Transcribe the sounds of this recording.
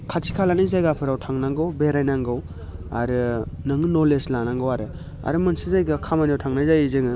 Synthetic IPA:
kʰatʰikʰalanizajɡapʰɯɾawtʰaŋnaŋɡɯwbeɾajnaŋɡɯw | a̰ɾɯnɯŋɯnɔleslanaŋɡɯwaɾɯ | a̰ɾɯmansizajɡakʰamanawtʰaŋnajzajizɯŋɯ

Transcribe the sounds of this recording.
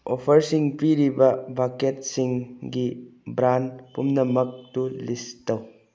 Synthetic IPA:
opʰɐɾsiŋpiɾibɐbaket̚siŋɡibɾanpumnɐmɐk̚tulistɐw

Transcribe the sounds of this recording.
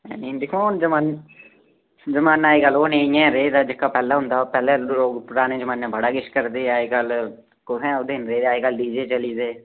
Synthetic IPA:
ɛ̰ːnĩːd̪ɪkʰond͡ʒəmãːn | d͡ʒəmaːnaːeːɡəlːoːnẽːɪjãːɾeːd̪aːd͡ʒɪkːaːpɛːlãːɦʊnd̪aːoːpɛːlẽːɾoːɡpʊɾaːnẽːd͡ʒəmãːnɛ̃ːbəɽaːkɪʃkəɾd̪eːaːekəl | kʊsɛ̃ːod̪eːnɾeːd̪aːeːɡəld̪iːd͡ʒeːt͡ʃəliːd̪eː

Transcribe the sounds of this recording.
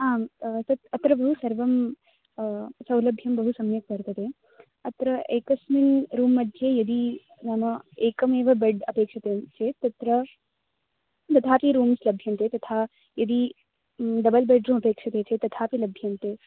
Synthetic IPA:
aːt̪ɐt̪ɐt̪ɾɐbɐɦusɐɾʋɐm | sɐwlɐbʱjɐmbɐɦusɐmjɐk̚pɐɾt̪ɐt̪e | ɐt̪ɾɐeːkɐsminɾuːmːɐd̪ʱjejɐd̪i | namɐeːkɐmeːʋɐbɐɖɐpeːkʂɐt̪et͡ʃʰet̪ɐt̪ɾɐ | t̪ɐt̪ʰaːpiɾuːmslɐbʱjɐnt̪et̪ɐt̪ʰaː | jɐd̪i | ɖ̪ɐbɐlbeɖɾuːmɐpeːkʂɐt̪et͡ʃʰet̪ɐt̪ʰaːpilɐbʱjɐnt̪e

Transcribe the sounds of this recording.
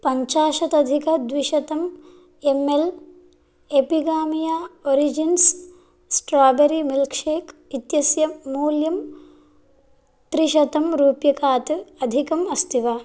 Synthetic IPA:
pɐɲt͡ʃaːʃɐt̪ɐd̪ʱikɐd̪ʋiʃɐt̪ɐm | emel | epiɡaːmijaːoɾid͡ʒins | sʈɾaːbɐɾimilkʂeːkit̪jɐsjɐmuːljɐm | t̪ɾiʃɐt̪ɐmɾuːpjɐkaːt̪ɨɐd̪ʱikɐmɐst̪ʰiʋaː

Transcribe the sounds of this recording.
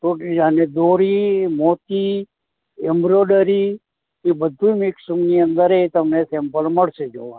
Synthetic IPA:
t̪oʈid͡ʒaned̪oːɾimot̪i | ɛmbɾoɖəɾi | kebəd̪ʱːũmɪksumniənd̪əɾet̪əmnesɛmpəlməɽsed͡ʒo̰ʋã

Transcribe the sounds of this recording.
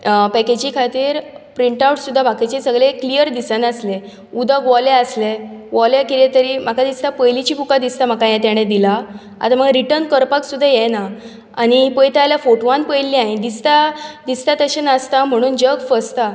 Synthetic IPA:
pɛked͡ʑikʰat̪iːɾpɾiɳʈawʈsud̪ʱːabʱakit͡ɕesəɡɭeklijəɾd̪isanəsle | ud̪əɡʋɔleəsleʋɔlekilet̪əɾiːm̤akad̪ist̪apəjlit͡ɕiːpukad̪ist̪am̤akãjɛ̃t̪jaɽ̃ẽd̪ila | a̰t̪aməɡɾiʈəɾnkəɾpaksud̪ʱːajɛna | aɽ̃ipəjt̪aljafoʈʋanpəjlːiaɦĩd̪ist̪ad̪ist̪at̪əɕenəst̪am̤əɽ̃uːnd͡ʑəɡfəst̪a

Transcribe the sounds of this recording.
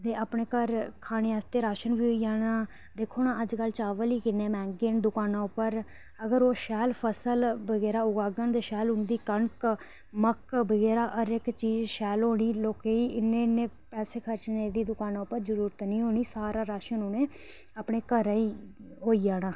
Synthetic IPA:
t̪eːʔaːpɳeːkəɾkʰaːɽ̃eːaːst̪eːɾaːʃənbiːɦoːid͡ʒaːɽaː | d̪eːkʰoːnãːʔəd͡ʒkəlt͡ʃaːʋəliːkɪnːeːmɛ̃ːŋɡeːnd̪ʊkaːnãːʊpːəɾ | əɡəɾoːʃɛːlpʰəsəlbəɡɛːɾaːʊɡaːɡənd̪eːʃɛːlʊ̃nd̪iːkəɳk | məkbəɡɛːɾaːʔəɾɪkt͡ʃiːd͡ʒʃɛːlɦoːɽ̃iːloːkeːiːɪneːneːpɛːseːkʰəɾt͡ʃneːd̪iːd̪ʊkaːnãːʊpːəɾzəɾuːɾət̪nĩːɦoːɽ̃iːsaːɾaːɾaːʃənɦoːnẽː | aːpɽeːkəɾiːɦoːiːd͡ʒaːɽãː

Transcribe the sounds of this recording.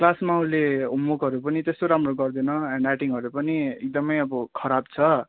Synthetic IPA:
klasmauleumːukɦʌɾupʌnit̪est̪oɾamroɡʌrd̪enʌãɳɖaʈiŋɦʌɾupʌniek̚d̪ʌmʌjʌbʌkʰʌɾab̚t͡sʰʌ

